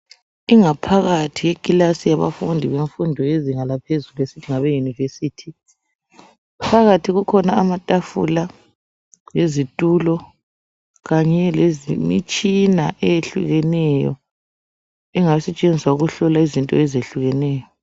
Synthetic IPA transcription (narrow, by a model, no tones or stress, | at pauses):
iŋapʰaɣatʰijekʼilasijaβa̰fundʱiβeɱfundʱɔeziŋalapʰezuluesitʰiŋaβejunivesiːtʰi | pʰaɣatʰiɣukʰɔnaːmatʼafṵla | jezitʼulɔ | ɣaɲɛlezimḭt͡ʃʼinaʔɛjeɬṵɣɛnɛjɔ̰ | iŋasɛt͡ʃʼend͡zʱiswauɣuɬɔlaizintʼɔ̰ɛzeɬuɣɛnɛːjɔ